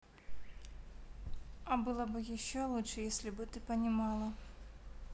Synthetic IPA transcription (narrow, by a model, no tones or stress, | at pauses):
ɐbɨlˠəbɨjɪɕːolˠutʂɨjesʲlʲɪbɨt̪ɨpənʲɪmɑlˠə